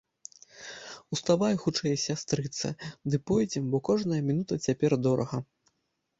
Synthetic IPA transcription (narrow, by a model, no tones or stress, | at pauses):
ust̪avajxut͡ʂɛjsʲast̪ɾɨt̪sɐ̰d̪ɨpɔjd͡zʲɛmbɔkɔʐnɐjɐmʲinut̪ɐt͡sʲapʲɛrd̪ɔɾɐ̰ɣɐ